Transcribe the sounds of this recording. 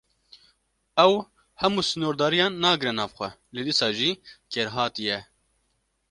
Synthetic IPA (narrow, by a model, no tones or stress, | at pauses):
ɛw | hɛmuːsɨnoːɾd̪ɑːɾijɑːnːɑːɡɨɾɛnɑːfxʷɛled̪isɑːʒiːkʰɛɾɦɑːt̪ijɛ